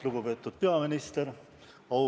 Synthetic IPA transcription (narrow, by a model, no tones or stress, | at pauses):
luɡ̥upe̞ːt̪ːˑud̪̥̚pe̞ɑminist̪eɾ | ɑw